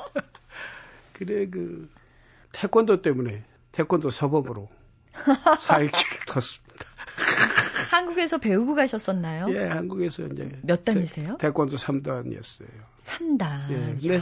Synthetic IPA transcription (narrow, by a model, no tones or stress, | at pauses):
kɯɾek̬ɯ | tʰek͈wʌndot͈e̞mune̞ | tʰek͈wʌndosʰʌbʌmɯɾo | sʰaɭkektʰʌs͈ɯmɲid̥ḁ | hanɡuɡe̞sʰʌpe̞uɡuɡaiɕʰʌs͈ʌnːajoje̞hanɡuɡe̞sʰʌind͡ʑe̞̰mjʌt̚t͈aɲisʰejotʰek͈wʌndosʰamdaɲḭʌ̰s͈ʌ̰jo | sʰamdajekɯnde